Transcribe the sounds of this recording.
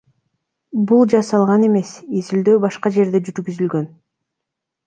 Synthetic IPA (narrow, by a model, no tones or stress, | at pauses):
bulˠd͡ʒɑsɑlˠʁɑne̞me̞sizild̪øːbɑʃqɑd͡ʒe̞ɾd̪e̞d͡ʒyɾɡyzylɡø̞n